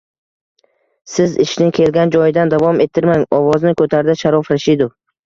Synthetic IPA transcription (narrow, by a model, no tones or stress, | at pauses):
sɪzɪʃnɪkʲʰelɡʲand͡ʒɒjɪd̪and̪avɒme̞t̪ʰːɪɾmaŋɒvɒznɪkʰɵt̪ʰaɾɪd̪aʃaɾɒfɾaɪʃɪd̪ʊ